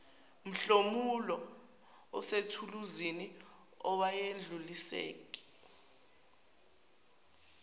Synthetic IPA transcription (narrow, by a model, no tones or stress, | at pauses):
m̩ɬomulɔ | ɔsetʰuluzini | ɔwajend͡ɮʱulisḛːk̬ʼi̥